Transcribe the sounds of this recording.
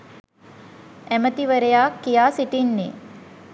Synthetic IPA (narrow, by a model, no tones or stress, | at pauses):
æmət̪iʋəɾejakːijaːsiʈinːḛ